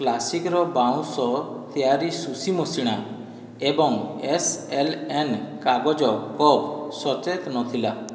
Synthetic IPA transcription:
klasikɾɔbawũsɔt̪ʰiaɾisusimɔsiɽ̃a | ebɔŋeselenkaɡɔd͡ʒɔkɔpsɔt͡ʃet̪nɔt̪ʰila

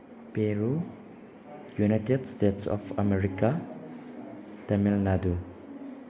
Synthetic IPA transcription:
peɹu | junajt̪edst̪etsɔ̰fa̰meɾika | d̪̥ɐmilnad̪u

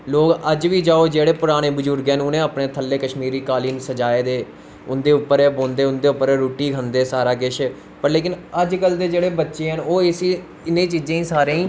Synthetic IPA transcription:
loːkəd͡ʒʋiːd͡ʒaːoːd͡ʒeːɽeːpʊɾaːɽ̃eːbəzʊɾɡɛnʊnẽːapɳeːt̪ʰəlːeːkəʃmiːɾiːkaːliːnsəd͡ʒaːeːd̪eː | ʊnd̪eːʊpːəɾɛːbõːnd̪eːʊnd̪eːʊpːəɾɛːɾoːʈiːkʰənd̪eːsaːɾaːk̬ɪʃ | pəɾleːkɪnəd͡ʒkəld̪eːd͡ʒeːɽeːbətːʃeːɦənoːɪsi | ɪnẽːt͡ʃiːd͡ʒẽːiːsaːɾẽːĩː

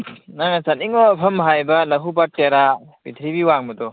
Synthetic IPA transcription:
naŋsaniŋɔpʰɐmɦajbɐlɐɦubap̚teɾa | bit̪ʰɾibiwaŋmɐdɔ

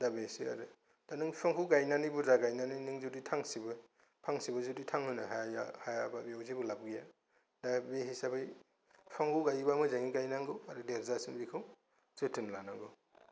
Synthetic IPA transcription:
dabesia̰ɾɯ | d̥anɯŋpʰɔŋɦʰuɡajnanibuzaɡajnaninɯŋzuditʰaŋsibɯ | pʰaŋsibɯzuditʰaŋhɯnɯɦaja̰hajababiawzibulabɡija | dabeɦisabʰɯj | pʰaŋhuɡajbamɯzaŋiɡajnaŋɡɯaɾɯdeɾzasɯmbikʰɯw | z̥ɯtʰɯnlanaŋɡɯ

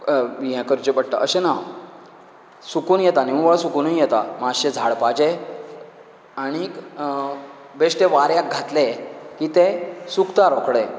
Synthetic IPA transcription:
ɦɛ̃kəɾd͡ʑebəɽt̪a̰ʔəɕena | sukuːnjɛt̪aniuʋasukunənjɛt̪a̰maɕed͡zʱaɭpad͡ʑe | aɽ̃ik | beʂʈeʋaɾjak̚ɡʱat̪lekit̪esukt̪aɾokɽe

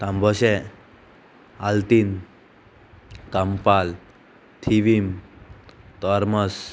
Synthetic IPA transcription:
t̪ãmbʱɔɕe | alt̪in | kampal | t̪ʰiʋim | t̪ɔɾməs

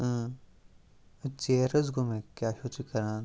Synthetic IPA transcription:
t͡ʃeːɾɐzɡomẽkjaːʃot͡ʃikɐɾãːn

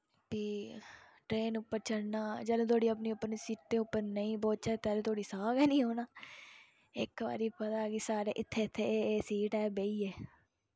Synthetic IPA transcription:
biː | ʈɾeːnʊpːəɾt͡ʃəɽnaːd͡ʒəːlõːt̪ʰoːɽiːəp̬niːʊpːəɾnːsiːʈ̚d̪eːʊpːəɾnəĩːboːt͡ʃɛːt̪ɛːlõːt̪ʰoːɽiːsaːɡɛːnĩːɦoːnaː | ɪ̰kʋa̰ːɾiːpət̪aːɡisaːɾḛːʔɪt̪ʰːeːɪt̪ʰːeːeːsiːʈɛːbeːiːɛː

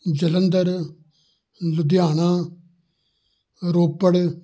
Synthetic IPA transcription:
d͡ʒələnd̪əɾ | lʊd̪jaːnãː | ɾoːpːəɽ

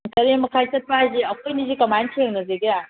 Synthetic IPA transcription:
tɐɾemɐkʰajsɐt̚pajziɐkʰojnizikɐmajntʰieŋnɐzeɡija

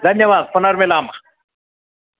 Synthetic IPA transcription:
d̪ɐnjɐʋaːzpʊnɐɾmɪlaːmɐ

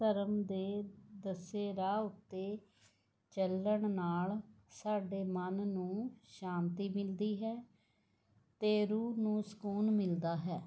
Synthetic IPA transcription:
əɾəmd̪eːd̪əseːɾaːʊt̪ːeː | t͡ʃəlːəɳnaːl | saːɖeːmənnũːʃaːnt̪iːmɪld̪iːɦɛː | t̪eːɾuːnũːsə̥kuːnmɪld̪aːɦɛː

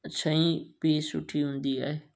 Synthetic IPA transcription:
t͡ɕʰɐĩpiːsʊ̰ʈʰiɦũːn̆d̪ia̰ːɦeː

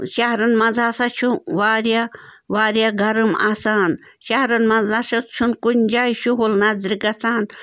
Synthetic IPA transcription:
ʃɐɦɾɐnmɐd͡zaːsat͡ʃʰuʋaːɾja | ʋaːɾʲjaɡʱɐɾɨma̰ːsaːn | ʃɐɦɾɐnmɐzaʃɐt͡ʃʰunkunʲd͡ʒaːjʃuɦulnazɾikɐt͡sʰaːn

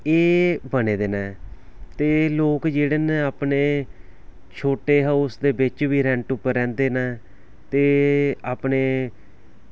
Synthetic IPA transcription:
eːbəneːd̪eːnɛ̃ːt̪eːloːkd͡ʒeːɽeːneaːpneː | t͡ʃʰoːʈeːɦaʊsd̪eːbɪt͡ʃʋiːɾɛ̃ːɳʈʊpːəɾɛ̃ːnd̪eːnɛː | t̪eːaːpneː

